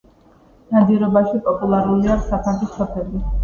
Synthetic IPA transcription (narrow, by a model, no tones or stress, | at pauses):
nad̪iɾɔbaʃipʼɔpʼulˠaɾuliaksapʰanχisɔpʰɛli